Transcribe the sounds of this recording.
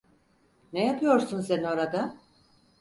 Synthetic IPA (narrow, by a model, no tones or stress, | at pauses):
nɛjapʰɯjo̞ɾsunsenio̞ɾad̪a